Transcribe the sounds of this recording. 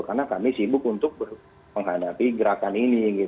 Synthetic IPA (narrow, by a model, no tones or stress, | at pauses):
karnakamisibʊk̚unt̪ʊk̚bər | məŋɦadapiɡəɾakaniniɡit̪